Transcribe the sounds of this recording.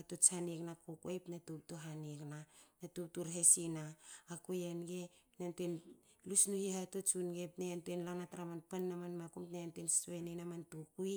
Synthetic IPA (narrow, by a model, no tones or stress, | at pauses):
atot͡ʃaneknakokojpnatup̚toɦaneknanatup̚tuɾɦesinaːkujenɡe̞pnantuen | lusnuhihatot͡ʃunɡepnejantuenlanataɾamanpanːamanmakumtnejantuenssoenenamantukuj